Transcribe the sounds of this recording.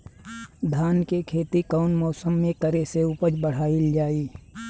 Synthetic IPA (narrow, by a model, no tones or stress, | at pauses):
d̪ʱaːnkekʰeːt̪ikaʊnmɔːsəmːẽkəɾeseuːpəd͡ʒbəɽ̤aːɪld͡ʒaːiː